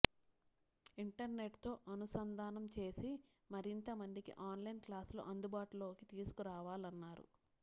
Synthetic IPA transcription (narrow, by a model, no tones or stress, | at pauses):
iɳʈɐɾne̞ʈt̪o̞ːʔɐnusɐnd̪ʱaːnɐmt͡ʃe̞ːsi | mɐɾint̪ɐmɐɳɖikḭʔaːnlɐjnklaːslo̰ːʔɐnd̪ubaːʈulo̞ːkit̪iːsu̥kuɾaːʋaːlɐnːaːɾṵ